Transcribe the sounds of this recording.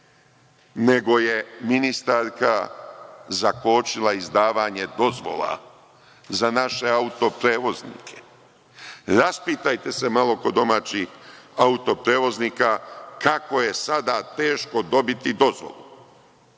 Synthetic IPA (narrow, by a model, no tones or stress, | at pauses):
ne̞ɡo̞je̞minist̪aɾka | zakoːt͡ʃilˠaizd̪aːʋaɲe̞d̪o̞zʋo̰la̰ | zanaʃe̞aut̪o̞pɾeːʋo̞znḭːkʰe̥ | ɾaspiːt̪ajt̪e̞se̞malo̞ko̞d̪o̞maːt͡ɕixaut̪o̞pɾeːʋo̞zniːkakako̞je̞sad̪at̪e̞ːʃko̞d̪o̞bit̪id̪o̞zʋo̰lˠu